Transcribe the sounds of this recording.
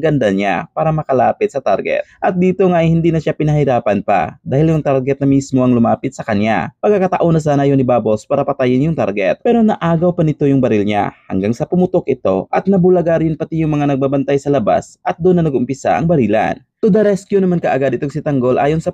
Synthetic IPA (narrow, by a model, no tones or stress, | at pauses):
ɡɐnd̪aɲa̰paːɾɐmɐkɐlaːpɪt̪̚sɐt̪a̰ɾɡɛ̰t̪̚ʔɐt̪̚d̪iːt̪o̞ŋajhɪnd̪iːnɐʃjapɪnɐhɪɾaːpɐnpa̰d̪aːhɪljʊŋt̪aɾɡɛt̪̚nɐmismo̞ʔɐŋlʊmaːpɪt̪sɐkɐnja̰pɐkːakɐt̪ɐʔonɐs̬aːnɐjonɪbaːbo̞spaːɾɐpɐt̪ajɪnjʊŋt̪aɾɡɛ̰t̪̚pɛːɾo̞nɐʔaːɡɐwpɐnɪt̪o̞jʊŋbɐɾɪlɲa̰hɐ̰ŋɡaŋsɐpʊmʊt̪okʔɪt̪o̞̰ʔɐt̪̚nɐbulɐɡaɾɪnpɐt̪ijʊŋmɐŋanɐɡ̚babɐnt̪ajsɐlɐba̰sʔɐt̪̚d̪onːɐnɐɡʊmpɪsa̰ʔɐ̰ŋbɐɾiːla̰n | t̪od̪ɐɾɛskjonɐmankɐʔɐɡad̪ɪt̪oŋsɪt̪ɐŋɡo̞lʔa̰ːjonsɐ